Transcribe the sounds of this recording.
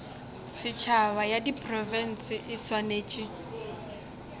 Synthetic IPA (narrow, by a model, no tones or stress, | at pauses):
sɪt͡ʃʰawajadipʼrɔvɛn̩sɪʔɪswaneːt͡ʃʼi